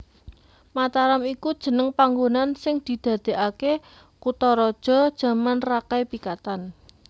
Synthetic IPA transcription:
mat̪aɾamikud̥ʒ̥ə̤nəŋpaŋɡonansɪŋd̪̥i̤d̪̥a̤d̪̥e̤ʔake | kut̪ɔɾɔd̥ʒ̥ɔ̤d̥ʒ̥a̤manrakajpikat̪an

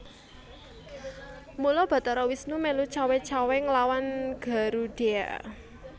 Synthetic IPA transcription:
mulɔb̥ä̤t̪ɔɾɔwisnumelut͡ʃawet͡ʃaweŋlawanɡ̥a̤ɾuɖ̥e̤a̰

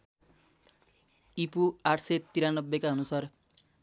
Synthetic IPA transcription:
ipuaʈʰset̪iɾanʌbːekaonusaɾ

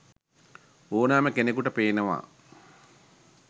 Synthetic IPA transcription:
oːnaːməkenekuʈəpeːnəʋa̰ː

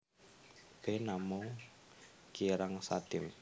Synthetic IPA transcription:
ɡ̥ɛnamʊŋ | kiɾaŋsa̰t̪ɪm

